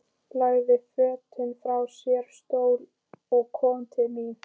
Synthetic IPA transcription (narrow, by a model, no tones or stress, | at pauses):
plaːjðɪfœːt̪ʰʏnfɾawsjɛɾ̥st̪oːwl | ɔɣkʰɔːmnt̪ʰɪni